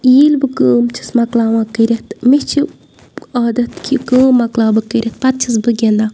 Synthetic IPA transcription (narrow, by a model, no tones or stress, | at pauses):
jiːlbɨkəːmt͡ʃʰi̥smɐklaːwãːkɨɾʲet̪miht͡ʃʰi | ɐːd̪ɐt̪kʰʲikəːmːɐklaːbɨkɨɾʲʔʲet̪̚pɐt̪̚t͡ʃʰisbɨɡʲend̪a